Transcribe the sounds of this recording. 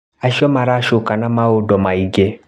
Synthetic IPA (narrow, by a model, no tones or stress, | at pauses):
aʃiɔmãɾaʃokanãmãodɔmãiɡe